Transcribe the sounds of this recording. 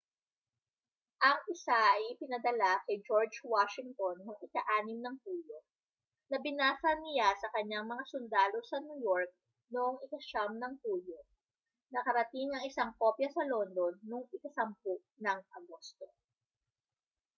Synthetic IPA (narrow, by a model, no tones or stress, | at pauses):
ʔɐŋʔɪsaʔɐjʔɪpɪnɐd̪ɐlakɐjd͡ʒoɹd͡ʒwaʃɪŋt̪onːoŋɪkɐʔaːnɪmnɐŋpuːlo̞ | nɐbɪnaːsɐnɪjasɐkɐɲːaŋmɐŋasʊnd̪aːlo̞sɐnujoɹk̚ | noʔoŋɪkɐʃamnɐŋpuːlo̞ | nɐkɐɾɐt̪ɪŋɐŋɪsaŋkoːpjɐsɐlo̞nd̪o̞nːoŋɪkɐsɐmpʊʔnɐŋʔɐ̰ɡo̞st̪o̞